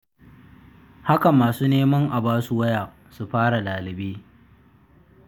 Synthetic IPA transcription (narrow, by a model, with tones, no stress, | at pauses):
ha˦ka˨maː˨suː˦neː˦mɐ˦ŋʔa˨baː˦su˨wɐ˦jaː˨ʔ | su˨ɸaː˦ɽa˨laː˨lɪ˨beː˦